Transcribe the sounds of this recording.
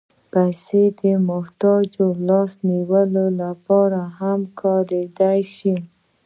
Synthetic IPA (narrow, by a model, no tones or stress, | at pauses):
pajsed̪əmʊht̪ɑd͡ʒolɑsniwəlolapɑɾaɦamkʰɑɾed̪ajʃi